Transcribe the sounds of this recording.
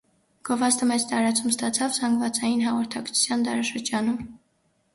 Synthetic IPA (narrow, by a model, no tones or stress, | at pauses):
ɡ̥ɔvɑst̪əmɛd͡zt̪ɑɾɑt͡sʰumst̪ɑt͡sʰɑvzɑŋɡvɑt͡sɑjinɦɑʁɔɾt̪ʰɑkt͡sʰu̥t͡sʰjɑnd̪ɑɾɑʃəɾd͡ʒɑnum